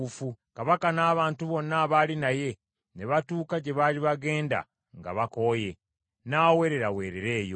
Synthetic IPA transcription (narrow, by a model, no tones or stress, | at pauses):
ufukaβakanaːβaːntuβo̞nːaβaːlinaje̞ | ne̞βatuːkaɟe̞βaːliβaɡe̞ːnda̰ | ŋɡa̰βako̞je̞ | naːwe̞ɾe̞ɾawe̞ːɾeɾe̞ːjo̰